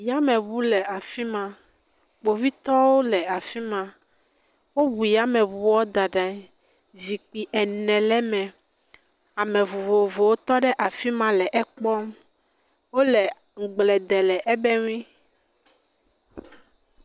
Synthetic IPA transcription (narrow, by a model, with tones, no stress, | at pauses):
ja˦mɛ̃˨βu˦lɛ˨a˨fi˦mã˨ | k͡po˨vi˦t̪ɔ˦wo˦lɛ˨a˨fi˦mã˨ | wo˦βu˨ja˦mɛ̃˨βu˨wɔ˦d̪a˨ɖã˨˦ | zi˨k͡pi˨ʔɛ˨nɛ̃˨lɛ˦mɛ̃˨ | a˨mɛ̃˨vo˨vo˨vo˨wo˦t̪ɔ˦ɖɛ˦ʔa˨fi˦mã˦lɛ˨ʔɛ˦k͡pɔ˦m | wo˦lɛ˨ | ŋ̩˨ɡ͡blɛ˨d̪ɛ˨lɛ˨ʔɛ˦bɛ˦ŋ˦ĩ˦